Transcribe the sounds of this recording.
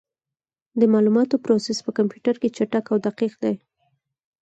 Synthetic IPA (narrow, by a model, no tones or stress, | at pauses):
d̪əmɑlumɑt̪opɾosespəkampjuʈaɾket͡ʃaʈakawd̪aqiqd̪aj